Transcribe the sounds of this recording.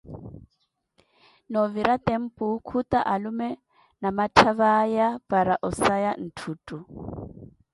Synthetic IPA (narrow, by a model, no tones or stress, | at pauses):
nɔviɾat̪ʼɛm̩pʼʊkʰut̪aʔalumɛ | namatʰaβajab̥aɾaʔɔsajan̩tʰuːtʼu